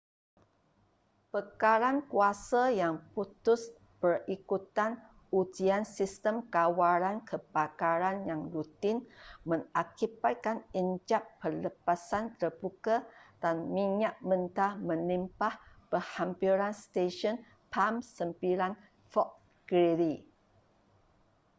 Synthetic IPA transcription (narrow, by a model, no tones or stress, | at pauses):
pəkaɾankuasajaŋput̪ʊs | b̥ərikut̪an | ud͡ʒiansist̪əmkawaɾankʰəbakaɾanjaŋɾut̪ɪnmə̃ŋakibat̪̚kanənd͡ʒapːərləpasant̪ərbukad̥anmĩɲaʔ̚mə̃nt̪amə̃nimpahpəhampiɾanst̪eʃɔn | pʰamsəmpiɾan | fɔʔ̚ | ɡ̥ɾiɾi